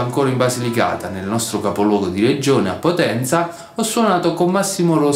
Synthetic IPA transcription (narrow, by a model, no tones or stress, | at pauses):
aŋkoːɾaimbazilika̰ːt̪anelnɔst̪ɾokapolwɔːɡod̪iɾed͡ʒoːnea̰pːot̪ɛnt̪sa | ɔsːwɔnaːt̪okomːasːimoɾo